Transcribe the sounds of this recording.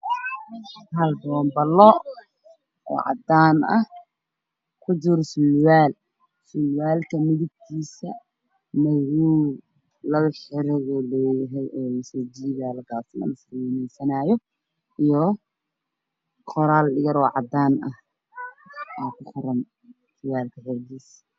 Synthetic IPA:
ɐlbɔːmbɐlːɔ | ɔ̰ːʕɑ̰d̪aːnɐ | kʰʊd͡ʒʊɾsʊlwaːl | sʊlwaːlkʰɐmɪðɪb̚kʰiːsɐ | mɐwuː | lɐwʊħɪɾɛɣɔlɔːjɐɦɛjʔɔːlɐsɔːd͡ʒiːðalɐɡaːsɐnɐ̰nɐswɛnɛjsɐnaːjɔ | ʔijɔ | qʰɔɾaːlɗɪɣɐɾɔːʕɑ̰d̪aːnɐh | ʔaːkʰʊχʊrɐn | sʊwaːlkʰɐħɔrɡiːs

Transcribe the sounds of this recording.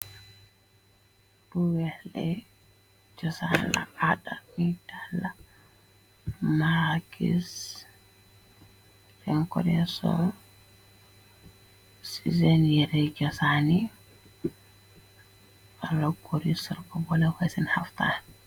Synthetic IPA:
b̥uwɛhlɛ | d͡ʒɔsan̰la̰ʔadamidala | maɾakḭs | ɾɛŋkɔɾɛsɔ̰ | sizɛnjɛɾɛd͡ʒɔsani | alɔɡoɾisiɾkɔbɔlafasinhaft̪a̰ːn

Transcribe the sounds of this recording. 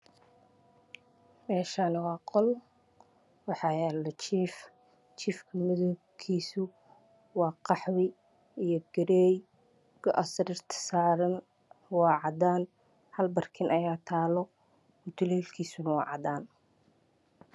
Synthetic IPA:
mɛːʃanɪwɑːqɔl | wɑħɑjɛːlɐt͡ʃʰiːf | t͡ʃiːfkʰɐmɪðɔ | kʰiːsʊ | wɑːqɑħwɪ | ijɔɡɐɾɛːj | ɡ̥ɔʔɐsɾɪrt̪ʰɐ̥saːɾɐn | wɑːʕɑdaːn | hɐlbɐrkʰɪnʔɐjaːt̪ʰaːlɔ | mʊt̪ʰʊlɛːlkʰiːsʊnɐwɑ̰ːʕɑ̰d̪aːn

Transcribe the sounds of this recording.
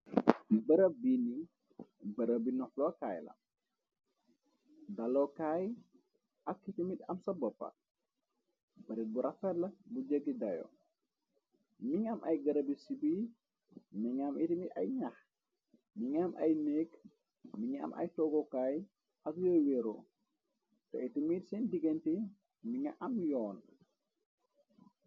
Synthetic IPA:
bəɾəbini | bəɾəbinɔflɔkaːjlɐ̰ | dalɔkaːj | ɐkːitimitɐmsɐbɔpːɐ̰ | bɐɾit̚buɾɐfɛlɐbuɟəɡidajɔ̰ | miŋamʔa̰jɡɐɾɐbisibi | miŋamitimita̰jɲax | miŋamʔa̰jnek | miŋa̰mʔa̰jtɔɡɔkaːj | akjɔjwɛɾo̰ | tɔ̰itimiːtsɛndiɡenti | miŋaʔamjɔːn

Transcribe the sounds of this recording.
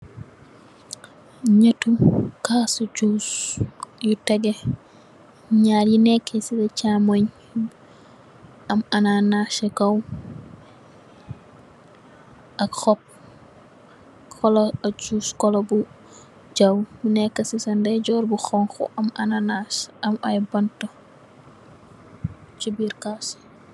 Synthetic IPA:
ɲɐtukaːsut͡ʃuːs | jutɛɡe | ɲaːɾjinɛkːesidɛcamoɲ | ɐmɐnanaʃekɐw | ʔakxɔp̚ | kʰɔlɔat͡ʃuskɔlɔbu | d͡ʒawjinɛkːɐsisandɛd͡ʒɔɾbuxɔŋxɔ̰ʔamʔananasamajbantɔ | t͡ʃibiɾkas

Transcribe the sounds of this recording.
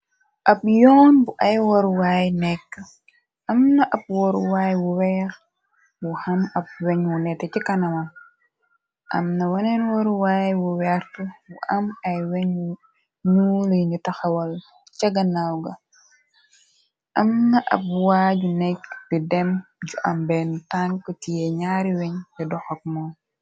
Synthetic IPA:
ʔap̚jɔːnbuʔajwɔɾwajnɛkː | ʔɐmnaʔab̚wɔɾwajwuwɛɾ | wuhamɐp̚wɛɲwunɛtːɛt͡ʃikanɐman | ʔa̰mnawanɛnwɔɾwaːjwuwɛɾtuwuʔamɐjwɛɲwu | nuːluɲutɐxɐwɐl | t͡ʃɐɡɐnawɡɐ | ʔɐmnɐʔɐ̰p̚waːɟunɛkb̥idɛmɟuʔɐmbɛntankɔtijɛɲaːɾiwɛɲɛdɔxɔk̚mɔ

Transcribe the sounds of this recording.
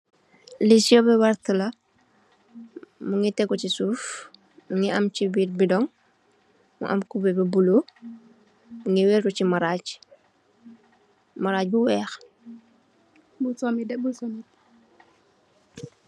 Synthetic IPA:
lisiɔbɛwaɾtlɐ | muŋitɛɡɔcisuːf | muŋiʔamcibiːtbidɔŋ | mṵʔa̰mkubɛbibulo | muŋiwɛɾkɔcimaɾaːɟ | maɾaːc̚buwɛːx | busɔmidɛbusɔmi

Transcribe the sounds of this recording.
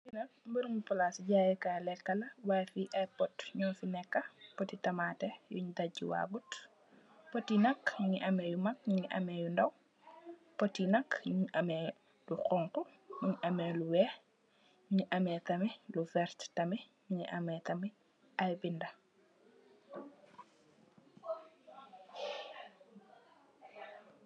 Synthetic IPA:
inɐ | mbəɾmupɔlasiɟajikalɛkːɐlɐwajfiʔɐjpɔtɲɔnfinɛkːɐpɔtitɐmaːtɛjṵɲdaiwa̰ɡut | pɔtːinɐkɲɲiʔɐmɛjumɐk̚ɲŋiʔɐ̰mɛjundɐw | pɔtːinɐkɲɲɲʔɐmɛ | luqɔŋku | ɲuɲʔɐmɛluwɛ | ɲiʔɐmɛtɐmilufɛɾttɐmi | ɲiʔɐmɛtɐmi | ajbindɐ

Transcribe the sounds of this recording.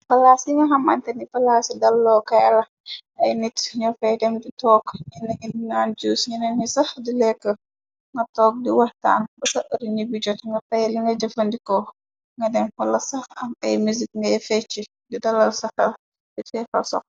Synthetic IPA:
pɐlaːsiŋɡɐɦɐmɐntɛnipɐlasidɐlːɔːkɐjɐ̰lɐ | ɐjnitɲɔfɐjdɛmditɔːkɲinɛɡidinaːnd͡ʒuːsɲinɛnɲisɐhdilɛkːə | ŋɡɐtɔːk̚diwɐhta̰ːnbɐsɐʔəɾiɲibid͡ʒɔtŋɡɐtɐjliŋɡɐd͡ʒɐfɐndikɔ | ŋɡɐdɛmhɐlɐsɐhɐmɐ̰jmuzik̚ŋɡɐjfɛt͡ʃːi | didɐlːɐlsɐxɐl | difɛfɐ̰sɔ̰k̚

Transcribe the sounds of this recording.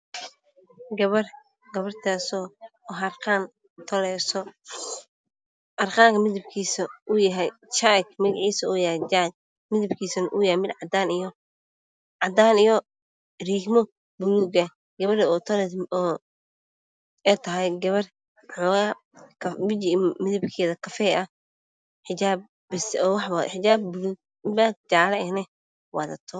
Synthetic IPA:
ɡɐβɐr | ɡɐβɐrt̪ʰaːsɔɦɐrqaːn | t̪ʰɐlɛːsɔ | ɐrqaːŋkʰɐmɪðɪb̚kʰiːsɐʊjɐɦɛjt͡ʃakmɪɣʕiːsɐʊjhɛjd͡ʒak | mɪðɪbkʰiːsɐnʔʊjɛmɪd̪ʕɑd̪aːnɪjɔ | ʕɑd̪aːnijɔ | riːhmɔ | bʊluːɡɐ | ɡɐβɐɾɔːt̪ʰɐɾɛɔː | ɛːt̪ʰɐɦɛjɡɐβɐr | ħɔːɣaː | kʰɐmɪd͡ʒmɪðɐbkʰɛːðɐkʰɐfɛɐ | ħɪt͡ʃaːb | bɪsɔːwɑħwaħɪt͡ʃaːbːʊluːɡ̚ | ɪmbaːd͡ʒaːlɐɛnɛ | wɑ̰ðɐ̰t̪ʰɔ

